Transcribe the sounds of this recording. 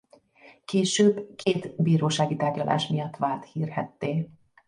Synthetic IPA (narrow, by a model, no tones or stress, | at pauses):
keːʃøːbkʰeːt̪biːɾoːʃaːɡit̪aːrɟɒlʔa̰ːʃmijɒt̪ːʋaːlt̪hiːrɦɛ̰t̪ːeː